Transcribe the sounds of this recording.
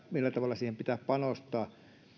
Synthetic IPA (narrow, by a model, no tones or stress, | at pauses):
milːæt̪ɑʋɑlːˑɑsiːhempit̪æːppɑnost̪ɑː